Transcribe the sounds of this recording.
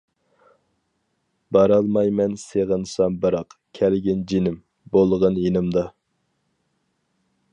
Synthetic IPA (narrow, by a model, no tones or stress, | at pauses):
bɑɾɑlˠmɑjmɛnseʁənsɑmbɨɾɑqkʲʰælɡʲɪnd͡ʒinɪm | bolˠʁənjenɨmd̪ɑ